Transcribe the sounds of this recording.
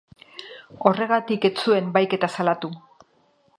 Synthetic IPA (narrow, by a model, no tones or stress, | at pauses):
o̞re̞ɣ̞at̪ike̞t͡sue̞mbajke̞t̪asalat̪u